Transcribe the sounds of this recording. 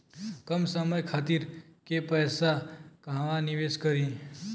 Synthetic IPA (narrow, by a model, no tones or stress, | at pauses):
kəmsəməjkʰaːt̪iɾkepəːsakãʋanɪʋeːskəɾĩ